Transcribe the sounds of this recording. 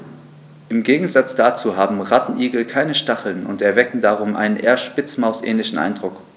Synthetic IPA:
ʔɪmɡeːɡŋ̩zat͡sd̥aːt͡suːɦaːbm̩ʁatn̩ʔiːɡl̩kʰaɪnəʃtaχl̩nʊ̰ntɛɐvɛkŋ̩daʁ̞ʊmʔa̰ɪnənʔḛːɐʃpɪt͡smaʊsʔɛ̰ːnlɪçn̩ʔa̰ɪndʁʊk

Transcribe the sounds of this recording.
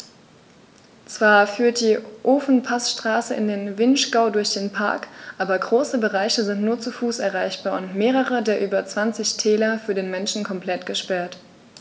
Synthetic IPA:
t͡sv̥aːɐfyːɐt̚d̥iːʔoːfn̩pʰasʃtʁ̥aːsəɪ̰ndeːnvɪnʃɡ̥aʊdʊɐçd̥eːnpʰa̰ɐkʔaːbɐɡʁoːsəbəʁaɪçəzɪntnuːɐt͡sufuːsɛɐʁaɪçb̥aːɐʊntmeːʁ̞əʁədeːɐʔyːbɐt͡sv̥ant͡sɪçtʰɛːlɐfyːɐdeːnmɛnʃn̩kʰɔmpl̥ɛtɡ̥əʃpɛɐt

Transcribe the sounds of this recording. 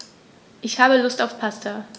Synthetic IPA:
ʔɪçhaːbəlʊstaʊfpʰastʰa

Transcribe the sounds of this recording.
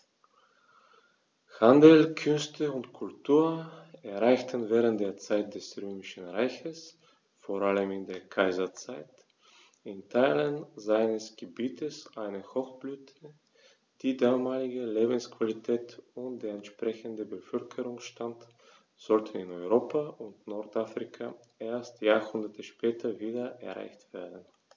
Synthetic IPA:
handl̩kʰʏnstʰəʊntkʰʊltʰuːɐɛɐʁaɪçtʰənvɛːʁ̞ənt̚d̥eːɐt͡saɪt̚d̥ɛsʁøːmɪʃn̩ʁaɪçəs | foːɐaləmɪndeːɐkʰaɪzɐt͡saɪt | ɪntʰaɪlənzaɪnəsɡ̥əbiːtʰəsʔaɪnəhɔxb̥lyːtʰə | d̥iːdaːmaːlɪɡəleːbn̩skv̥alitʰɛːtʊnt̚d̥eːɐɛntʃpʁ̥ɛçəndəbəfœlkʰəʁʊŋʃtant | z̥ɔltʰənɪnɔʏʁoːpʰaʔʊntnɔɐtʔafʁ̥ɪkʰa | ʔeːɐstjaːhʊndɐtʰəʃpɛːtʰɐviːdɐʔɛ̰ɐʁa̰ɪçtv̥eːɐdn̩

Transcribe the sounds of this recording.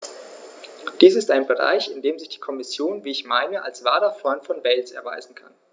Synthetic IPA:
d̥iːsɪstaɪnbəʁa̰ɪçɪndeːmzɪçd̥iːkʰɔmɪsjoːnviːɪçmaɪnəʔa̰lsv̥aːdɐfʁ̥ɔʏntfɔnvɛlsɛ̰ɐva̰ɪzn̩kʰa̰n

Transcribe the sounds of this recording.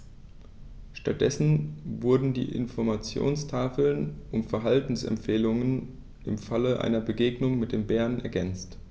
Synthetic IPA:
ʃtat̚d̥ɛsn̩vʊɐdn̩dḭːʔɪ̰nfɔɐmat͡sjo̰ːnstʰaːfl̩nʔʊmfɛɐɦaltn̩sɛ̰mpfeːlʊŋən | ʔɪmfaləʔa̰ɪnɐbəɡeːɡnʊŋmɪt̚d̥eːmbɛːɐnʔɛ̰ɐɡɛnt͡st

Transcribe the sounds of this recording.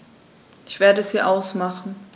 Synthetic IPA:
ʔɪçv̥eːɐdəɛshiːɐʔaʊsmaχn̩

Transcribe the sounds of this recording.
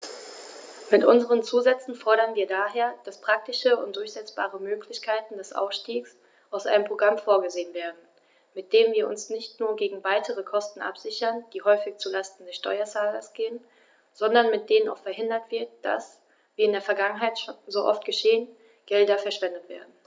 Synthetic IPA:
mɪtʔʊ̰nzəʁ̞ənt͡suːzɛt͡sn̩fɔɐɾɐnviːɐdaːɦeːɐd̥aspʁ̥ak̚tɪʃəʊnt̚d̥ʊɐçz̥ɛt͡sb̥a̰ːʁəmøːkʰlɪçkʰaɪtn̩dɛsʔa̰ʊfʃtiːks | ʔaʊsʔaɪnəmpʁ̥oɡʁamfoːɐɡəzeːənveːɐdn̩ | mɪt̚d̥eːənviːɐʔʊ̰nsnɪçtnuːɐɡeːɡŋ̩vaɪtəʁəkʰɔstn̩ʔa̰pz̥ɪçɐnd̥iːhɔʏfɪçt͡sulastn̩dɛsʃtɔ̰ʏɐt͡saːlɐsɡ̥eːən | z̥ɔndɐnmɪt̚d̥eːnəna̰ʊxfɛɐɦɪndɐtv̥ɪɐt̚d̥a̰s | viːɐɪndeːɐfɛɐɡaŋənɦaɪtʃozoːʔɔ̰ftɡ̥əʃeːən | ɡ̥ɛldɐfɛɐʃv̥ɛndətv̥ḛːɐdn̩

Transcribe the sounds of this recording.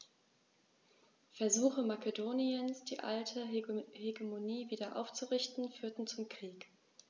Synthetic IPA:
fɛɐzuːxəmakedoːniənsd̥iːʔa̰ltʰəheɡemoniːviːdɐʔa̰ʊft͡suʁɪçtn̩fyːɐtn̩t͡sʊmkʁ̥iːk

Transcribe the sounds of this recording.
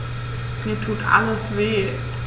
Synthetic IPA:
miːɐtʰuːtʔa̰ləsveː

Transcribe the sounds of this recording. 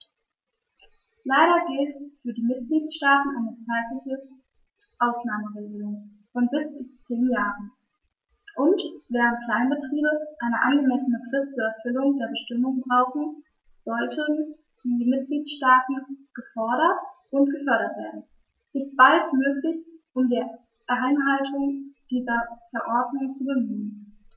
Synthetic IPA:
laɪɾɐɡɪltfyːɐdiːmɪt̚ɡ̥liːtʃtaːtn̩ʔaɪnət͡saɪtlɪçə | ʔaʊsnaːməʁeːɡəlʊŋ | fɔnbɪst͡sut͡seːnjaːʁən̩ | ʔʊntv̥ɛːʁ̞əntkʰl̥aɪnbətʁ̥iːbəʔaɪnəʔanɡəmɛsənəkʁ̥ɪft͡suːɐɛɐfʏlʊŋdeːɐbəʃtɪmʊŋbʁaʊxn̩ | z̥ɔltʰən | d̥iːmɪt̚ɡ̥liːtʃtaːtn̩ɡ̥əfɔɐɾɐtʔʊntɡ̥əfœɐɾɐtv̥eːɐdn̩ | ɛsɪst̚b̥altmøːklɪçʔʊmdiː | ʔaɪnɦaltʰʊŋd̥iːzɐfɛɐʔɔɐdnʊŋt͡subəmyyːən

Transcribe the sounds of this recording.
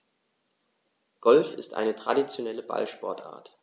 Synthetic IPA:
ɡ̥ɔlfɪstʔa̰ɪnətʁ̥a̰dit͡sjonɛləba̰lʃpɔɐtʔa̰ːɐt

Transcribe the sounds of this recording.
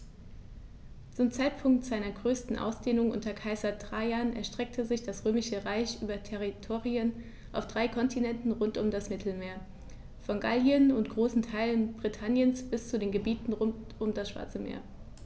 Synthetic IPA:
t͡sʊmt͡saɪtpʰʊŋk̚tz̥aɪnɐɡʁøːstn̩ʔa̰ʊsd̥eːnʊŋʔʊ̰ntɐkʰaɪzɐdʁ̥aɪanɛ̰ɐʃtʁ̥ɛk̚tʰəzɪçd̥asʁ̥øːmɪʃəʁaɪçʔyːbɐtʰɛʁitʰoːʁiən | ʔaʊfd̥ʁaɪkʰɔntʰinɛntn̩ʁʊntʊmdasmɪtʰl̩meːɐ | fɔnɡaljənʊntɡ̥ʁoːsn̩tʰaɪlənbʁitʰanjənsb̥ɪst͡sudeːnɡəbiːtn̩ʁʊ | ʊmdasʃv̥a̰ɐt͡səmḛːɐ

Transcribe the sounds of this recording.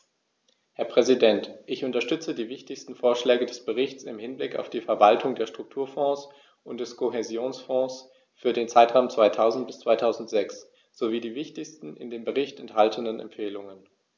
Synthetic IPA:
hɛɐpʁ̥ɛzidɛntʔɪçʊntɐʃtʏt͡sədiːvɪçtɪçstn̩foːɐʃlɛːɡədɛsb̥əʁɪçt͡sɪmhɪnblɪka̰ʊfd̥iːfɛɐvaltʰʊŋdeːɐʃtʁ̥ʊk̚tʰuːɐfɔ̃ːs | ʔʊnt̚d̥ɛskʰoɦezjoːnsfɔ̃ːs | fyːɐdeːnt͡saɪtʁ̥aʊmt͡sv̥aɪtʰaʊzn̩t̚b̥ɪst͡sv̥aɪtʰaʊzn̩tz̥ɛks | z̥oviːdiːvɪçtɪçstn̩ʔɪ̰ndeːmbəʁɪçtɛnthaltʰənənɛ̰mfeːlʊŋən

